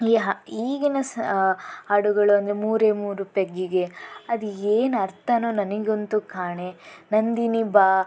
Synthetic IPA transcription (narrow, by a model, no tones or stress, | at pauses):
iɦiːɡinɐs | ɐɽuɡɐɭuɐnd̪emuːɾeːmuːɾupeɡːiɡe̞ɐd̪ieːnɐɾt̪ɐnoːnɐniɡeont̪ukaːɳenɐnd̪inibaː